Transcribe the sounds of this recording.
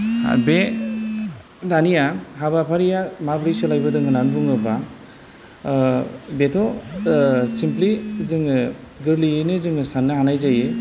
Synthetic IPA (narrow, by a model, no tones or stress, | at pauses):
a̰be | danijaɦabapʰaɾijamabɾiselajbɯdɯŋɡɯnanbuŋɯba | betʰɔ | simplizɯŋɡɯɾliɯnɯzɯŋɯsanːɯɦanajzaje